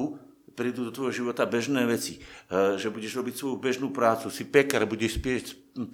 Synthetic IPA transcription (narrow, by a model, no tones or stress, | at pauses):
u | pɾiːd̪ud̪ɔt̪ʋɔjɦɔʒiʋɔt̪abɛʒnɛːʋɛt͡siʒɛbuɟɛʒɾɔbicsʋɔjubɛʒnuːpɾaːt͡susipɛkaɾbuɟɛʃspɪɛcs